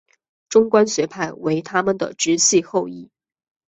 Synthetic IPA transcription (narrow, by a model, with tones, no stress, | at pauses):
ʈ͡ʂʊ˥ŋkwa˥nɕɥɛ˧˥pʰa˥˩ɪwe˧˥ɪt̪ʰa˥mə˨nd̪ə̰˩ʈ͡ʂɻ̩˧˥ɕʰi˥˧xo˥˧ʊi˥˩